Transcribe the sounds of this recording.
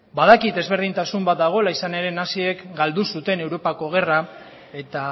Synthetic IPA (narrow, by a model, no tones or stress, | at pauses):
baðakit̪e̞zβ̞e̞ɾð̞int̪asumbat̪̚d̪aɣ̞o̞elaisane̞ɾe̞nasie̞kɡald̪usut̪e̞ne̞wɾo̞pako̞ɣ̞e̞ra | e̞t̪a